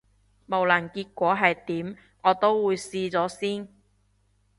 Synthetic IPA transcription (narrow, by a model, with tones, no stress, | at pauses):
mo˨˩wlɐ˨˩nkiː˧t̚kʷɔː˨˥ɦɐ˨jt̪iː˨˥m | ŋɔː˨˧t̪o˥wːuː˨˧jsiː˧t͡sɔː˨˥siː˥n